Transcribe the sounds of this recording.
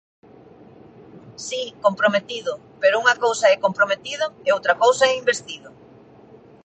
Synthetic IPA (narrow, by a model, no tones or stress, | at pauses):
sikompɾomet̪iðʊ | peɾʊuŋɐkowsɐɛkompɾomet̪iðʊeowt̪ɾɐkowsɐɛimbest̪iðʊ